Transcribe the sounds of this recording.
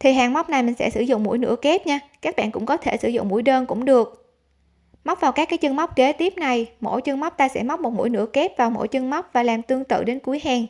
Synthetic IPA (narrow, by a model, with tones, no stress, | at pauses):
t̪ʰi˨˩ɦa̰ː˨˩ŋma˦˥wk͡p̚na˨˩jmï˨˩ŋsɛ̰˧˥sɨ̰˧˩zʊ̰˧˨ŋ͡mmṵ˧˥jnɨ̰˧˥əke˦˥t̚ɲaː˧kaː˦˥k̚ɓa̰ː˧˨nkʊ̰˧˥ŋ͡mkɔ˨˦t̪ʰe˧˩sɨ̰˧˩zʊ̰˧˨ŋ͡mmu˧əjɗəː˧nkʊ̰˧˥ŋ͡mɗɨ˨˩ək̚ | ma˦˥wk͡p̚vaː˨˩wkaː˦˥kːaː˨˦jt͡ɕɨ˧ŋma˦˥wk͡p̚ke˨˦t̪i˦˥əp̚na˨˩jmo̰˧˥˩jt͡ɕɨ˧ŋma˦˥wk͡p̚t̪aː˧sɛ̰˧˥ma˦˥wk͡p̚mo˨˩t̚mṵ˧˥jnɨ˧˥əke˦˥t̚vaː˨˩wmo̰˧˥jt͡ɕɨ˧ŋma˦˥wk͡p̚vaː˨˩laː˨˩mt̪ɨ˧əŋt̪ɨ̰˧˨ɗe˨˦nku˨˦əjɦaː˨˩ŋ